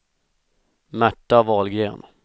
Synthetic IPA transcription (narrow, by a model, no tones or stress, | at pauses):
mæʈːavɑːlɡeːn